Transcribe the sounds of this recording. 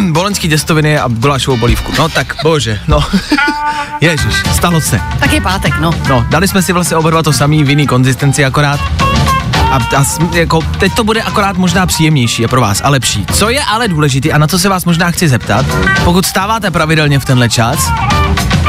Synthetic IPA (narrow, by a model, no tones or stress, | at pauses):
bolɛnskiːt̪ɛst̪ovɪnɪa̰ɡulaːʃoowboliːfkunot̪akboʒɛno | jɛʒɪʃst̪alosɛ̰t̪akjɛpaːt̪ɛknono̞dalɪsmɛsɪvlast̪ɲɛʔobɛɾvat̪ːosamiːvjɪniːko̞nzɪst̪ɛnt͡sɪako̞ɾaːt̪ | ʔaasjako̞t̪ɛc̚t̪o̞budɛʔakoɾaːt̪mo̞ʒnaːpr̥iːjɛmɲɛjʃiːjɛpɾova̰ːsʔalɛpʃiːt͡so̞jɛʔalɛduːlɛʒɪt̪iːʔanat͡sos̬ɛvaːsmo̞ʒnaːxt͡sɪzɛpt̪a̰t̪pokut̪st̪aːvaːt̪ɛpɾavɪdɛlɲɛft̪ɛnɦlɛt͡ʃas